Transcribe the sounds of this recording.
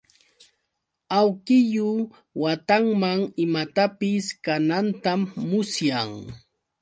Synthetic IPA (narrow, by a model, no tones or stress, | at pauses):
awkɪjʊ | wat̪aŋmaŋɪmat̪apɪskanant̪amːʊsjaŋ